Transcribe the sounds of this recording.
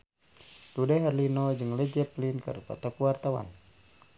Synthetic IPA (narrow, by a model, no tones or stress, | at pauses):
ludɛɦɛrlinɔd͡ʒɨŋlɛd͡ʒɛplinkə̰ɾupa̰t̪ɔkuwart̪awa̰n